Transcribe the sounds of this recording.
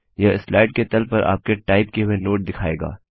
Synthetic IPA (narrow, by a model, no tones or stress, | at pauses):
jɐɪslaːɪɖket̪ɐlpɐɾʔa̰ːp̚keʈaːɪpkeɦʊenoːʈ̚d̪ɪkʰaːḛːɡa̰ː